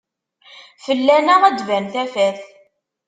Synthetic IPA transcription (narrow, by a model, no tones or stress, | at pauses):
fəlːænæʁæd̪vænθæfæθ